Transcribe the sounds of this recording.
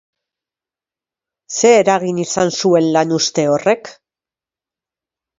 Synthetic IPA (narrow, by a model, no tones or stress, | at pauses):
se̞ːɾaɣinisansue̞nlanust̪e̞o̞re̞k